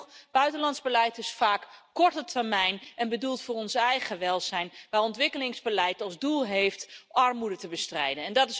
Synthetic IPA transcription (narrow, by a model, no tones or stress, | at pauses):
b̥œɥtənlɑntzbəlɛjtɪsfaːkkɔɹtətəɹmɛjnɛnbədulˠtfʊːrɔnsɛjχəʋɛlˠzɛjnʋaːɹɔntʋɪkəlɪŋzbəlɛjtɑlˠzdulˠɦejftʔɑɹmudətəbəstrɛjdənɛndɑtɪs